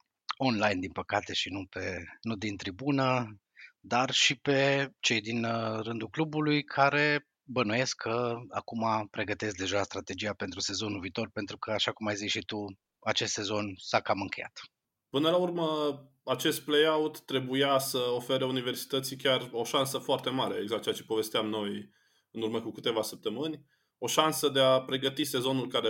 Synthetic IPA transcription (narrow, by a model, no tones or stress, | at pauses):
o̞nlajnd̪inpəkat̪e̞ʃinupe̞nud̪int̪ɾibunə | d̪arʃipe̞t͡ʃe̞jd̪inrɨnd̪ulklubulujkʰaɾe̞ | bənuje̞skkʰːəa̰kumapɾe̞ɡət̪e̞s̬k̚d̪e̞ʒast̪ɾat̪e̞d͡ʒijape̞nt̪ɾuse̞zo̞nulviːt̪o̞rpe̞nt̪ɾukʰəaʃakumajzit͡ʃʃit̪u | at͡ʃe̞st̪se̞zo̞nsakamɨŋkʲe̞ja̰t̪ | pɨnəlaurmə | at͡ʃe̞st̪̚plejawt̪ːɾe̞bujasəofe̞ɾəunive̞rsi̥t̪ət̪sikʲaro̞ʃansəfoart̪e̞maɾe̞eɡzakt̪t͡ʃeat͡ʃepo̞ve̞st̪eamno̞j | ɨnurməkukɨt̪e̞vasəp̚t̪əmɨnʲ | o̞ʃansəd̪e̞apɾe̞ɡət̪ise̞zo̞nulkaɾe